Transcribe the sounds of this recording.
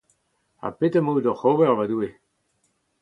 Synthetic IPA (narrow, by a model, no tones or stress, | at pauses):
a̰pet̪əmodɔχoːvɛʁvadue